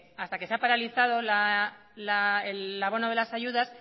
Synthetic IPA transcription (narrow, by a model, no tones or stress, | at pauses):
ast̪ake̞seapaɾaliθað̞o̞la | laelːaβo̞noð̞e̞lasaʝuðas